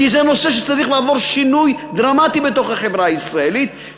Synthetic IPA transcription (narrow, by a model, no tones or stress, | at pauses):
izeno̞seʃet͡saʁiχlaːvo̞ʁʃinujd̪ʁamat̪ibe̞t̪o̞χhaχevʁaːisʁaelit̪